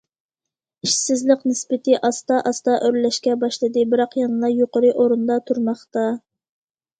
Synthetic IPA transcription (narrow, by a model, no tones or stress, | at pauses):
iʃsɪzlɪqnɪspɪt̪ʰɪʔɑst̪ɑʔɑst̪ɑʔøɾlɛʃkʲɛbɑʃlˠɨd̪ɨbɪɾɑqjɑnɨlˠɑjoqəɾɨʔoɾund̪ɑt̪ʰuɾmɑχt̪ɑ